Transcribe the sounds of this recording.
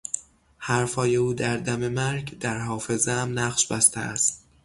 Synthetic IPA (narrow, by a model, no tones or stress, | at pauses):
hæɾfɒːje̞uːd̪æɾd̪æme̞mæɾɡd̪æɾɦɒːfe̞zeæmnæʁʃbæst̪ʰḛæ̰st̪̚